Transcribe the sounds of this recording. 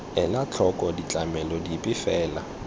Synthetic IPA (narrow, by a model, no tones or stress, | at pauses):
ɛlat͡ɬʰɔkʼɔdit͡ɬʼamɛlɔdipʼɪfɛːla